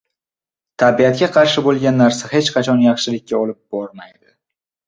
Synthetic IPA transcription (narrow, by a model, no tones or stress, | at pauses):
t̪ʰabijat̪̚kʲaqʰɑɾʃɪbolˠɡʲanːaɾsahe̞t͡ʃqʰɑt͡ʃʰɒnjɑχʃɪlɪkʲʰːaɒlɪp̚bɒɾmajd̪ɪ